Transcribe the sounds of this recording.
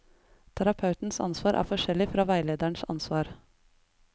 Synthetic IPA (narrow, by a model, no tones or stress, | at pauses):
t̪ʰæɾɑpʰɑʉt̪n̩sɑ̰nsʋɑːɾʔæ̰ːfɔʃɛlɪfɾɑːʋæɪleːd̪æɳsɑ̰nsʋɑːɾ